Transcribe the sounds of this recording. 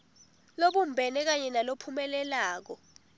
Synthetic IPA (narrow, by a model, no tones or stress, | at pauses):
loɓum̩bʱɛnɛk̬aɲɛnalopʰumɛlɛlaːk̬ɔ